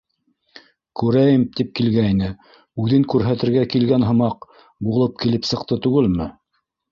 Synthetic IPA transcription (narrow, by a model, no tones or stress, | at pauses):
kʉɾæjɘmt̪ip̚kilɡæinɘ | ʉðɘŋkʉɾɦæt̪ɘ̆ɾɡækilɡænɦɤ̆mɑq | bulˠɤp̚kilɘpsɤ̆qt̪ɤt̪ʉɡɘlmɘ